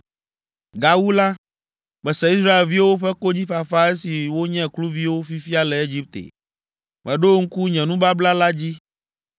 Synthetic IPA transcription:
ɡa˨wu˦la˦ | ɡ͡bɛ˨sɛ˨i˦sɾa˦e˨lvi˦wwo˦ɸɛ˦ko˦d͡ʑi˦fa˨fa˦e˦si˨wo˦ɲɛ̃˦klu˦vi˦wo˦fi˦fi˦a˦lɛ˨e˦d͡ʑi˦p̚t̪ḛ˨ | mɛ̰̃˨ɖo˦ŋ̩˦ku˦ɲɛ̃˨nũ˦ba˦bla˦la˦d͡ʑi˦

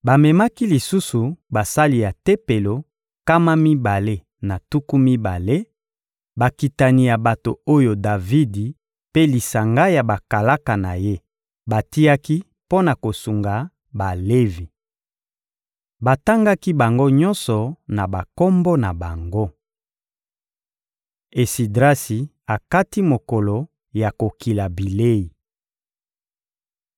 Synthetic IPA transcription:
ba˨mɛ˨ma˦ki˦li˨su˦su˨ba˨sa˦li˨ja˨te˦pe˨lo˨ | ka˦ma˦mi˦ba˨le˦ | na˨tu˦ku˦mi˦ba˨le˦ | ba˨ki˨ta˨ni˨ja˨ba˨to˨o˦jo˨da˨vi˦di˨ | pe˦li˨sa˨ŋɡa˦ja˨ba˨ka˨la˦ka˨na̰˨je˦ | ba˨ti˦ja˦ki˦ | po˦na˨ko˨su˨ŋɡa˨ | ba˨le˦vi˨ | ba˨ta˦ŋɡa˦ki˦ba˨ŋɡo˦ɲɔ˦nsɔ˨na˨ba˨ko˦mbo˦na˨ba˨ŋɡo˦ | e˨si˨dʁa˦si˨ | a˨ka˦ti˦mo˨kɔ˨lo˨ | ja˨ko˨ki˨la˨bi˨le˦i˨

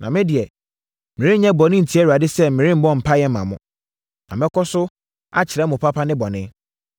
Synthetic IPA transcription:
nʔã˨mɪ̃˦dɪ˨ɛ˨ | mĩ˨ɾĩ˦ɲɛ̃˦bɔ˨nɪ̃˦n̩˨tʰi˦ɛ˦wu˨a˨dɪ˦sɛ˦˨mɪ̃˨ɾĩ˦m̩˦bɔ̃˦˨m̩˨pʰa˦jɛ˦mã˨mʊ̃˦ | nã̰˨mɛ̃˦kʰɔ˦sʊ˦ | a̰˦t͡ɕʰɪ˨ɾɛ˨˦mʊ̃˨pʰa˦pʰa˦nɪ̃˦bɔ˨nɪ̃˦

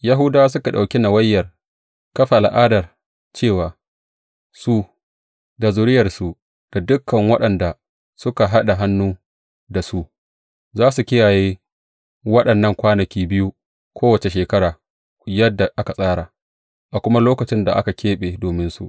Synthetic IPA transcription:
ja˦ɦʊ˦daː˦s̬ʊ˦ka˨ɗa˨wkʲi˦na˨wɐ˦jːɐ˨r | kɐ˦ɸa˨ʔa˨lʔaː˦dɐ˨r | t͡ʃeː˦˨waː˨ | su˦ | da˨zʊ˨ɾɪ˦jɐ˨rsu˨ | d̥a˨dʊ˦kːɐ˨ŋwɐ˦ɗɐ˨nda˨ | sʊ˦ka˨ɦa˦ɗa˨ɦa˦nːuː˦ | da˨su˦ʔ | zaː˦su˨kʲɪ˦jaː˨jeː˦ | wɐ˦ɗɐ˨nːɐ˦˨ŋkʷaː˦nɐ˨kʲiː˦bɪ˦ju˦ | kʷʰoː˦wɐ˨t͡ʃe˨ʃeː˨kɐ˦ɽaː˨ | jɐ˦dːa˨ʔa˦ka˨sʼaː˦ɽa˨ | ʔa˨kʷʊ˦ma˦loː˦kɐ˨t͡ʃɪ˦nda̰˨ʔa˦ka˨kʰʲeː˦ɓeː˨doː˨mɪ˦nsṵ˦ʔ

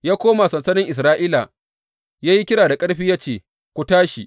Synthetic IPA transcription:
jaː˦kʷoː˦ma˨sɐ˨nsɐ˦nɪ˦ŋʔɪ˨s̬ɾaː˦ʔiː˦la̰˨ | jaː˦ji˦kʲɪ˦ɽaː˨da˨kʼɐ˦ɽɸiː˦jaː˦t͡ʃeː˨ | kʷu˨taː˦ʃi˨ʔ

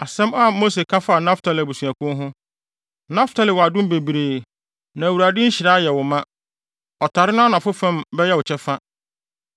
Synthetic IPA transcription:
a˨sɛ̃˦ma˦mo˦se˨kʰa˦fa˦˨nã˦ftʰa˨lɪ˨æ˨bu˨su˨æ˨kʊ̃˦ɦʊ̃˦ | nã˦ftʰa˨lɪ˨wɔ˨a˨dʊ̃˦m˦be˨bi˨ɾeː˨ | nã˨æ˨wu˨ɾa˨dɪ˦ɲ̩˦ɕɪ˨ɾaː˦jɛ˨wʊ˨mã˦ | ɔ˨tʰa˨ɾɪ˦nʊ̃˦nã˨fʊ˦fã˦mbɛ˦jɛ˦wʊ˨t͡ɕʰɛ˦fa˦

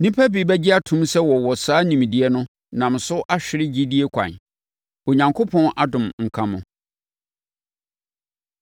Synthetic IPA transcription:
nĩ˦pʰæ˦bi˨bɛ˦d͡ʑɪ˦a˦tʰũ˦msɛ˦wɔ˨wɔ˨saː˦nĩ˨m˨dɪ˨ɛ˦nʊ̃˦ | nã˨m̩˨sʊ˦ʔa˦ɕᶣɪ˦ɾɪ˦d͡ʑi˦di˦e˦kʷʰã̰˨n | o˨ɲã˨ŋkʰo˦pʰɔ̃˦na˦dʊ̃˨mŋ̩˨kʰã˦mʊ̰̃˨

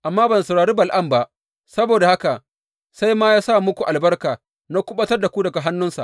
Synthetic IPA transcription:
ʔa˨mːaː˦bɐ˨n˨sɐ˨ɽaː˨ɽiː˦bɐ˨lʔɐ˦˨mba˦ʔ | sɐ˦boː˨da˨ha˦ka˨ | sa˦jmaː˦jaː˦sa˦˨mʊ˦kʷu˨ʔa˨lbɐ˦rkaː˨ | na˦kʷʊ˦ɓɐ˦tɐ˦rda˨kʷu˦dɐ˨ɡa˨ɦa˦nːʊ˦nsa̰˨

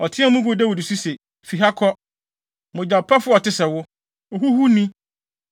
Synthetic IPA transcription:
ɔ˨tʰɪ̃˦ã˦mũ˦ɡʊ˨dɛ˦wɔ˨di˨su˦se˨ | fi˨ɦa˦kʰɔ˦ | mʊ̃˨d͡ʑa˨pʰɛ˦fʊ˦ɔ˨tʰɪ˦sɛ˨wʊ˦˨ | ɦu˦hu˦nĩ˦

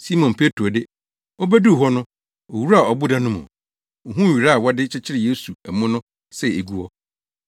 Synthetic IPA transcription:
si˦mɔ̃˨n˨pʰe˦tɾo˨dɪ˦ | o˦bæ˦du˦˨ɦɔ˦nʊ̃˦ | o˨wu˦ɾa˨ɔ˨bʊ˦dã˦nʊ̃˦mʊ̰̃˨ | o˨ɦũ˦˨ɥi˨ɾa˦˨wɔ˦dɪ˦t͡ɕʰɪ˦t͡ɕʰɪ˦ɾɪ˨je˦su˨æ˨mũ˦nʊ̃˦ | sɛ˦˨e˨ɡu˦ɔ˦

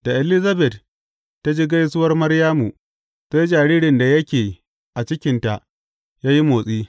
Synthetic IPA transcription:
d̥a˨ʔɛ˨lɪ˦zɐ˦bɛ˨tː | a˦d͡ʒiː˦ɡa˦jsʊ˦wɐ˦rmɐ˦rjaː˦mu˨ | se˦jd͡ʒaː˨ɽiː˦ɽɪ˨nda˨jɐ˦kʲeː˨ | ʔa˨t͡ʃɪ˦kʲɪ˦nta˨ʔ | jaː˦ji˦moː˨sʼiː˦

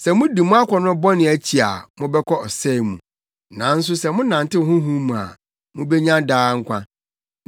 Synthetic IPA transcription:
sɛ˨mʊ̃˦di˨mʊ̃˦a˦kʷʰɔ˨nʊ̃˦bɔ˦nɪ̃˨æ˦t͡ɕʰi˨a̰˨mʊ̃˦bɛ˦kʰɔ˦ɔ˨sɛ˦˨mṵ̃˨ | nã˨˦n̩˦s̬ʊ˦sɛ˨mʊ̃˦nã˨ntɪ˦˨hʊ̃˦ɦũ˦mũ˨a̰˨ | mʊ̃˦be˦ɲã˦daː˦ŋ̩˦kʷʰã̰˦

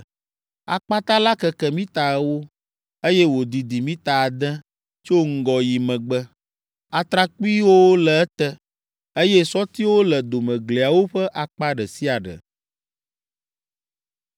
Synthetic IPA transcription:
a̰˨k͡pa˦t̪a˦la˦kɛ˨kɛ˨mĩ˦t̪a˨˦wo˦ | e˦jɛ˦wo˨d̪i˨d̪i˨mĩ˦t̪a˨a˨d̪ɛ̃˦ | t͡ʃo˦ŋ̩˦ɡɔ˨ji˨mə̃˨ɡ͡bə˦ | a˨t̪ɾa˦ku˦i˦wo˦lɛ˨ɛ˦t̪ɛ˦ | e˦jɛ˦sɔ˦t̪i˦wo˦lə˨d̪o˨mə̃˨ɡle˨a˨wo˦ɸə˦ʔa˨k͡pa˦ɖə˨si˦a˨ɖə̰˨

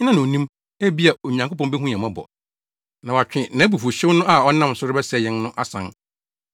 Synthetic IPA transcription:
ɲ˦nã˦nã˨o˨nĩ˦m | æ˦bi˦a˨o˨ɲ˨ã˨ŋkʰo˦pɔ̃˦nbɛ˦ɦũ˦ɲã˨mã˦bɔ̰˨ | nã˨wa˨t͡ɕᶣɪ̃˨nã˨˦bu˨fu˨ɕɪ̃˦wnʊ̃˦ʔa˨ɔ˦nã˦msʊ˦ɾʊ˦bɛ˦sɛ˨jɛ̃˦nːʊ̃˦ʔa˦sã̰˨n

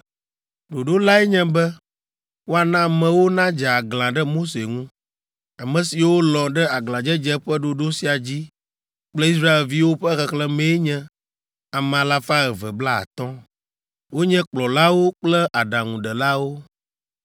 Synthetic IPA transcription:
ɖo˨ɖo˦la˦ɛ˦ɲɛ̃˦bɛ˦ | wo˦a˨nã˦mɛ̃˨wo˦nã˦d͡ʒɛ˨a˨ɡlã˨ɖɛ˦mo˦se˨ŋũ˦ | a˨mɛ̃˨si˨wo˦lɔ̃˨ɖɛ˦a˨ɡlã˨d͡ʒɛ˦d͡ʒɛ˦ɸɛ˦ɖo˨ɖo˦si˨a˨d͡ʑi˦ | k͡plɛ˦i˦s̬ɾa˦e˨lvi˦wo˦ɸɛ˦xɛ˨klɛ˦mɛ̃˨˦ɲɛ̃˦ | a˨m̃˨ã˨la˦fa˦ɛ˨vɛ˨bla˦a̰˨t̪ɔ̃˦ | wo˦ɲɛ̃˦k͡plɔ˨la˦wo˦k͡plɛ˦ʔa˨ɖã˨ŋũ˨ɖɛ˨la˦wo˦

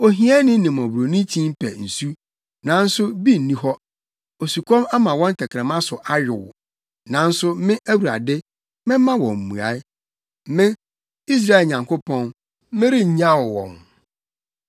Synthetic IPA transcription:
o˨ɦi˦ɛ˦nɪ̃˦nɪ̃˨m˨ɔ̃˨bɾo˨nĩ˦tʰĩ˦m˦pʰɛ̰˨n̩˨su˦ | nã˨˦n̩˦sʊ˦bi˦n̩˨nĩ˦ɦɔ˦ | o˨su˨kʰɔ̃˦ma˦mã˨wɔ̃˦n˦tʰɛ˨kʰɾɛ̃˨mã˦sʊ˨ʔa˦ɥɪ˨wʊ̰˨ | nã˨˦n̩˦sʊ˦mɪ̃˦ʔæ˦wu˨ɾa̰˨dɪ˦ | mɪ̃˦mã˦wɔ̃˨m̩˨mũ˨a̰˨˦ɪ˦ | m˨mɪ̃˦ | i˦s̬ɾa˦˨ɪ˨lɲã˨ŋkʰo˦pʰɔ̃˦n˦ | mɪ̃˦ɾɪ˦ɲ̩˨ɲã˦wʊ˨wɔ̰̃˨n

